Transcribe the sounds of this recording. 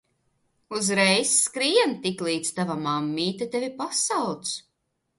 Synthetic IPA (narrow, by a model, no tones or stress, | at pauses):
uzɾɛjsːkɾiɛnt̪iklˠiːt̪st̪avamamːiːt̪at̪evʲipasawt̪s